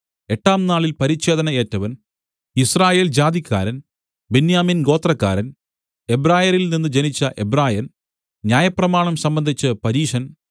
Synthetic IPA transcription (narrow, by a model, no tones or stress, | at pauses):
e̞ʈːaːmnaːɭilpɐɾit͡ɕːe̞ːd̪ɐnɐe̞ːtːɐʋɐn | israːje̞ːld͡ʑaːd̪ikʰʲːa̰ːɾɐn | benjaːminɡo̞ːt̪rɐkːa̰ːɾɐn | e̞braːjɐɾilninːɨd͡ʑenit͡ɕːɐʔebraːjɐn | njaːjɐprɐmaːɳɐmsɐmbɐnd̪ʱit͡ɕːɨpɐɾiːʂɐn